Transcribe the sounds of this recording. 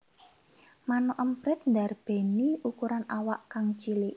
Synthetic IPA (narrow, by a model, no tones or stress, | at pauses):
manɔʔəmpɾɪt̪̚nd̪a̤rb̥e̤niʔukuɾanawaʔkaŋt͡ʃiliʔ